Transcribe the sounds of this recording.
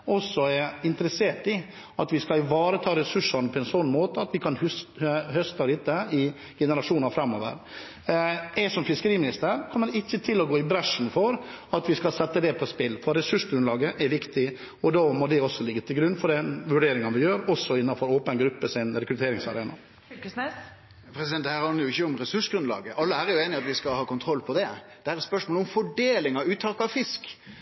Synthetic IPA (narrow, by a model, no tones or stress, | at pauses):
ɔsːɔɛɾɪnt̪əɾɛseːʈɪ | ɑt̪ʋɪskɑɪʋɑːɾət̪ʰɑːɾɛsʉʂɑnpʰɔɛnsɔnːmoːt̪əɑt̪ʋɪkʰɑnhʉshœst̪ɑɾɪt̪ːəɪ | ɡ̥ɛnəɾɑʂuːnɑfɾɑmːo̰ːʋə̰ɾ | ɛsɔmfɪskəɾiːmɪnɪst̪əɾkʰɔmːəɖɛɪçːət̪ʰɪlːɔɡoːɪbɾɑʂn̩fɔɾɑt̪ʋɪskɑlsɛt̪ːəd̪ɛpʰɔspɪlfɔɾɛsʉʂɡɾʉnlɑːɡəʔɛɾʋɪkt̪ɪ | ɔd̪ɑːmɔd̪ɛɔsːɔlɪɡːət̪ʰɪlɡɾʉnfɔɖɛnʋʉɖeːɾɪŋənʋɪjøːɾɔsɔɪnːɑfɔɾoːpənɡɾʉpːəsɪnɾɛkɾʉt̪ʰeːɾɪŋsɑɾḛːnɑ̰ | kəsnɛs | pʰɾɛsɪd̪ɛnhæːɾhɑnəɾjʊɪçːəʊmɾɛsʉʂɡɾʉnlɑ̰ːɡəʔɑlːəæːɾjʊeːnɪɑt̪ʋɪskɑhɑːkʊnt̪ʰɾɔlpʰɔd̪ɛ | d̪̥ɛæːɾɛt̪spœʂmoːlɔmfɔɖeːlɪŋɑʉːt̪ʰːɑlkəɑʋfɪsk